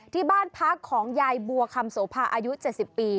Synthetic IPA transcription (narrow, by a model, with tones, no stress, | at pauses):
t̪ʰiː˥˩baː˥˩npʰa˦˥kʰːɔː˩˦ŋja˧jbu˧ɐkʰa˧msoː˩˦pʰaː˧ʔaː˧ju˦˥t͡ɕe˨˩t̪̚si˨˩pːiː˧